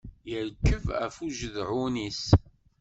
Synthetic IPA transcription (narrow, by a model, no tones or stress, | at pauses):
jəɾkːəvæ̰fuʒəðʕunis